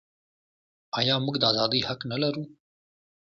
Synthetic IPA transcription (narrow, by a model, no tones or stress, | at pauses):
ajɑːmʊɡd̪əaːzɑːd̪ihɐknɐlɐɾũː